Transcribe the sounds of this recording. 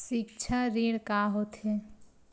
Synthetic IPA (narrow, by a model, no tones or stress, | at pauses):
sik̚t͡ʃʰaɾiɽkaɦot̪ɦe